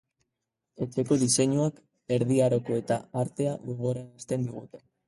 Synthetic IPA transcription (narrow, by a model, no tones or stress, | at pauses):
e̞t͡se̞ko̞ðise̞ɲuak | e̞ɾðiaɾo̞ko̞e̞t̪aaɾt̪e̞aɣoɣ̞o̞ɾaast̪e̞nd̪iɣ̞ut̪e̞̥